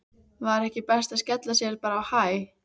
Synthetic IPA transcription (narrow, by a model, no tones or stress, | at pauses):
vaɾɛhcɪpɛst̪aðscɛt̪lasjɛɾpaːɾaːwhaj